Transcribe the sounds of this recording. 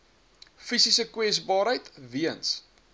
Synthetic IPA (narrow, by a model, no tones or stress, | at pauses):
fisisəkwɛsbɑːɾɦəjtviəns